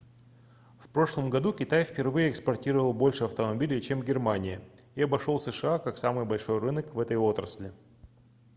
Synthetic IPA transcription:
fpɾo̞ʂlˠəmɡɐd̪ukʲɪt̪ajfpʲɪrvɨjəɛkspɐrtʲiɾəvəlˠbo̞lʲʂɨɐft̪əmɐbʲilʲɪt͡ɕe̞mɡʲɪrmanʲɪjəiɐbɐʂo̞lˠsɨʂɨakaksamɨjbɐlʲʂo̞jrɨnəkvɛt̪əjo̞t̪ɾəsʲlʲɪ

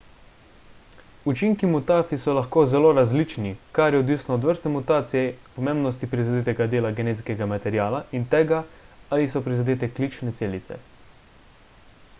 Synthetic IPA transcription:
ut͡ʃiŋkimut̪aːt̪sisɔlaxkoːzɛloːɾazlit͡ʃnikaɾjɛɔd̪ʋisnɔːd̪ʋəɾst̪ɛmut̪aːt̪siɛpɔmeːmbnɔst̪ipɾizad̪eːt̪ɛɡad̪eːlaɡɛnet̪skɛɡamat̪ɛɾjaːlaʔint̪ɛːɡaalisɔpɾizad̪eːt̪ɛklit͡ʃnɛt̪seːlit̪sɛ̰

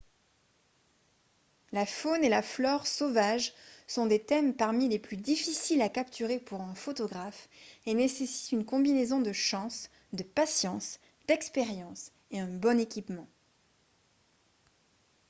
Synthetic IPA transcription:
lafonelaflɔʁsovaʒsɔ̃d̪et̪ɛmpaʁmileplyd̪ifisilakapt̪ʰyʁepuʁɛ̃fot̪ɔɡʁafenesesi̥t̪ynkɔ̃binezɔ̃d̪əʃɑ̃s | d̪əpasjɑ̃s | d̪̥ɛkspeʁjɑ̃s | eɛ̃bɔnekʲipmɑ̃

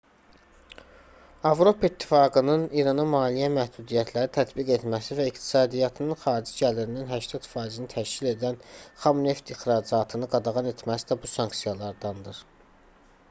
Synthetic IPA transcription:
ɑvɾo̞pʰɑit̪ʰːi̥fɑːɡɯnɯniɾɑnɑmɑːlijæmæhd̪ud̪ijæt̪ʰlæɾit̪ʰæt̪biɡe̞t̪mæsivæikt̪ʰi̥sɑːd̪ijɑt̪ʰɯnɯnxɑːɾid͡ʒiɟæliɾininɦæʃt̪ʰɑt̪fɑːizinit̪ʰæʃcile̞d̪ænχɑmne̞ft̪ixɾɑːd͡ʒɑt̪ʰɯnɯɡɑd̪ɑɣɑne̞t̪ʰmæsid̪æbusɑŋksijɑlˠɑɾd̪ɑnd̪ɯɾ

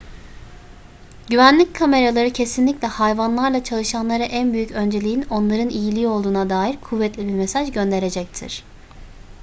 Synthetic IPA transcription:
ɟyvænlʲickʰame̞ɾalˠaɾɯcʰe̞sinlʲiclʲɛhajvanlˠaɾlˠat͡ʃʰalˠɯʃanlˠaɾaʔænbyjycʰø̞nd͡ʒe̞lʲijino̞nlˠaɾɯnijilʲiːo̞lˠd̪uːnad̪aːjiɾkʰuvːɛt̪lʲibiɾmesaʒɟø̞nd̪e̞ɾe̞d͡ʒɛc̚t̪ʰḭɾ̥

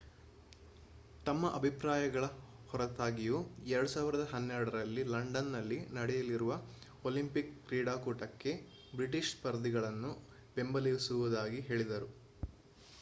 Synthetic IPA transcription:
t̪ɐmːɐʔɐbʱipɾaːjɐɡɐɭɐhɔɾɐt̪aːɡijuɛɾɐɽusaːʋiɾɐd̪ɐɦɐnːɛɾɐɽɐɾɐlːilɐɳɖɐnːɐlːinɐɽɛjɐliɾuʋɐ | olimpikːɾiːɽaːkuːʈɐkːe̞ | bɾiʈ̬iʂspɐɾd̪iɡɐɭɐnːu | be̞mbɐlijusuʋud̪aːɡiɦe̞ːɭid̪ɐɾu

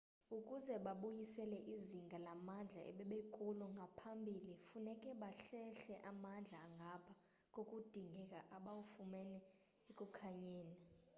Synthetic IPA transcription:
ukʼuzɛɓaɓujisɛlɛʔiziŋɡʱalamand͡ɮʱa̰ʔɛ̰ɓɛɓekʼulɔŋɡʱapʰambʱilifunɛkʼɛɓaɬɛɬɛʔamand͡ɮʱaːŋɡʱapʰa | kʼokʼud̥ʱiŋɡʱɛkʼaʔaɓawufumɛnɛ | ekʼukʰaɲɛːna

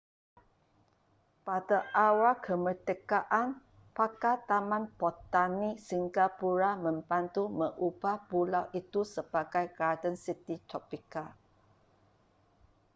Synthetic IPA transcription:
padaʔawakʰəmət̪əkaʔan | pakat̪amãnbot̪anisiŋɡapuɾamə̃mbant̪uməʔub̥ahpulawʔit̪usəbaɡajɡadənsit̪it̪ɾɔpika

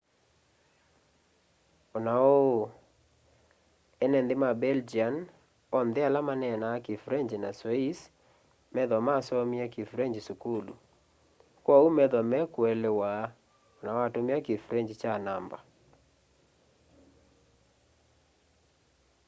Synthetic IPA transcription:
ɔnao | ɛnɛndemabɛld͡ʒian | ɔndealamanɛnaːkifuɾeɲd͡ʒinasweis | mɛðɔmasɔmiakifuɾeɲd͡ʒisukulṵ | kwɔumɛðɔmɛkwɛlewa | onawatomiakifuɾeɲd͡ʒit͡ʃanamba̰

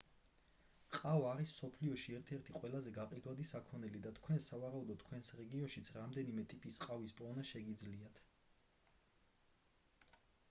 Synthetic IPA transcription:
qʼavaːɾismsɔpʰliɔʃiɛɾt̪ʰɛɾt̪ʰiqʼwɛlˠazɛɡaqʼid̪wad̪isakʰɔnɛlid̪at̪ʰkʰwɛnsavaɾaud̪ɔt̪ʰːkʰwɛnsɾɛɡiɔnʃit̪sʰɾamd̪ɛnimɛt̪ʼipʼisqʼavispʼɔnaʃɛɡid̪zliat̪ʰ

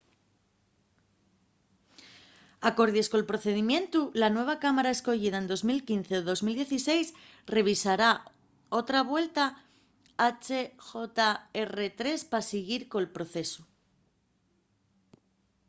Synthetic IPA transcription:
ako̞ɾð̞je̞sko̞lpɾo̞θe̞ðimjẽ̞nt̪ulanwe̞β̞akamaɾae̞sko̞ʝið̞aend̪o̞zmilkinθe̞oðo̞zmild̪jeθise̞js | re̞β̞isaɾa | o̞t̪ɾaβwe̞lt̪a | at͡ʃe̞xo̞t̪aere̞t̪ɾe̞spasiɣiɾko̞elpɾo̞θe̞su

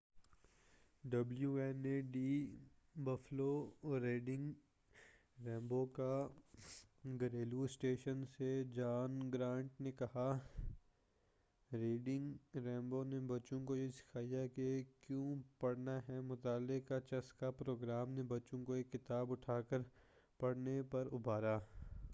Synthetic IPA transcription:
ɖɐbljuɛːneɖiː | bɐfloɾeːɖɪ̃ŋɡ | ɾɛ̃ːmboka | ɡɐɾeːluɪsʈeːʃənsed͡ʒaːnɡɾãːɳʈnekɐha | ɾiːɖɪ̃ŋɡɾɛ̃ːmbonebɐtːt͡ʃõkojesɪ̥kʰaːjakekjõːpɐɽnaɦɛmʊt̪aːlɪkat͡ʃɐskapɾoːɡɾaːmnebɐtːt͡ʃõkoeːkːɪt̪aːbʊʈʰaːkəɾ | pɐɽnepɐɾʊbaːɾaː

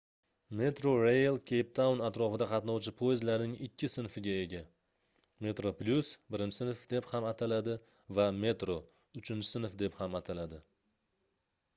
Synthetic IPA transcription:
me̞t̪ɾoɾejlˠkʲʰejp̚t̪awnat̪ɾɒfɪd̪aqʰɑt̪nɒwt͡ʃʰɪpʰojɪzlaɾnɪŋɪkʲʰːɪsɪnfɪɡʲae̞ɡʲa | me̞t̪ɾoplʲʊsbɪɾɪnt͡ʃɪ̥sɪnɪfd̪e̞phamat̪ʰalad̪ɪ | vame̞t̪ɾo | ʊt͡ʃʰɪnt͡ʃʰɪ̥sɪnɪfd̪e̞phamat̪ʰalad̪ɪ

